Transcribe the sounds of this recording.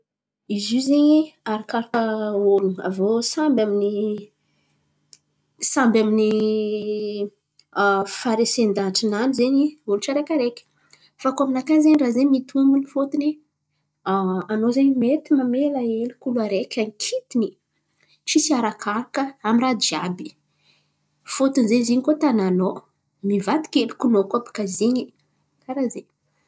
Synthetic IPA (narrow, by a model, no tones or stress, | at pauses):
izizeɲiaɾakaɾakəolua̰vosambamini | sambamini | faɾesend̪anʈ͡ʂinanizeɲioluʈ͡ʂaɾekʲaɾekʲə̥ | fakaminakanzeɲirazeɲmit̪ʰumunifot̪ini | anozeɲmet̪imamelaelikuluaɾekʲaŋikʰit̪ini | t͡ʃisiaɾakʰaɾakəamirad͡ʒiabi̥ | fot̪unzeziɲikot̪anano | mivat̪i̥kʲelikunokapḁkaziɲi | kaɾaze